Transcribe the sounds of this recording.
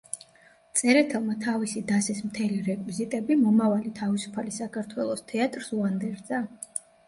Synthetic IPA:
t̪sʼɛɾɛt̪ʰɛlˠmat̪ʰavisid̪asɛsmt̪ʰɛliɾɛkʼwizit̪ʼɛbimɔmavalit̪ʰavisu̥pʰalisakʰaɾt̪ʰwɛlˠɔst̪ʰɛat̪ʼɾsuand̪ɛɾd̪za

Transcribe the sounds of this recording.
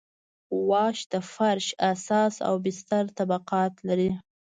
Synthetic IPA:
wɑʃd̪afaɾʃasɑsa̰wbɪst̪aɾt̪abaqɑt̪laɾi

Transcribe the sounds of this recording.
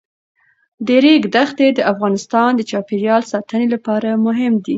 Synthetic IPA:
d̪eɾeɡd̪axt̪ed̪əʔafɣɑnɪst̪ɑnd̪ət͡ʃɑpeɾjɑlsɑt̪ənelapɑɾamʊɦɪmd̪i

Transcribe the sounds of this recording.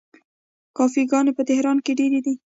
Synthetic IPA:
kɑfiɡɑnepət̪ɪhɾɑnkeɖeɾed̪i

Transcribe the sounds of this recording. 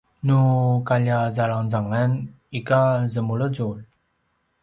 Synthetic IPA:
nukaʎazaɭaŋzaŋan | ikazəmuɭəd͡zul

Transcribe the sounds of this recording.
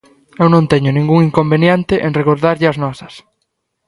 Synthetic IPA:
ewnõnt̪ɛɲʊnĩŋɡuŋiŋkombenjent̪ɪʔenreɣoɾðaɾʎɪɐznɔsɐs

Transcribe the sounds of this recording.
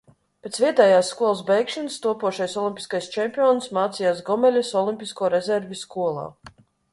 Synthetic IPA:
pʲet̪svʲiɛt̪ɛːjaːsːkuɔlˠsbɛjkʃɛnst̪uɔpuɔʃajsɔlʲˠimʲpʲi̥skajst͡ʃɛmʲpʲiɔnsmaːt̪sijaːsɡɔmɛlʲasɔlˠimʲpʲiskuɔɾɛzʲɛɾvʲiskuɔlˠa̰ː

